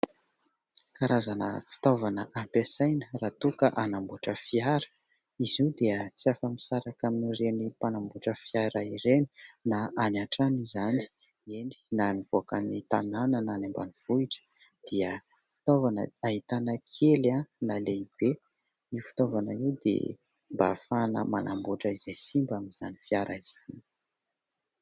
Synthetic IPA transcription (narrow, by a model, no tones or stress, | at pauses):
kaɾazanə̰fi̥t̪ovanəʔampesajnərat̪ukəʔanambuʈ͡ʂəfiaɾə̥ | iziwd̪eət͡siafəmisaɾakaminirenipanambuʈ͡ʂəfiaɾaiɾeni̥naanaʈ͡ʂanizani̥ | eni̥naniv̥oakənit̪ananənanemba̰niv̥uiʈ͡ʂə̥d̪̥iə | fi̥t̪ovanə̰aɦit̪anəkʰelanaleib̥e | iufi̥t̪ovanaiwd̪ḛ | mba̰fanə̰manʔambuʈ͡ʂəizesimbamiz̥a̰nifijaɾʔaiz̥ani̥